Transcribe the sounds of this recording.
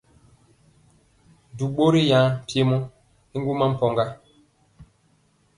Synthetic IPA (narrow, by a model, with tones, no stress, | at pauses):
du˨ɓo˦ɾi˦jã˨˦˨pje˦mɔ˦ | i˦ŋ˦ɡu˦ma˦m̩˦pɔ˨ŋɡa˦